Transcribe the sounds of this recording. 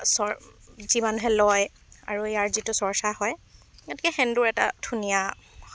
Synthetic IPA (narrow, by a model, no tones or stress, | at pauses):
sɔzimanuɦɛlɔj | a̰ɹuijaɹzitʊsɔɹsahɔjatikɛxɛnduɹɛta̰dʰunija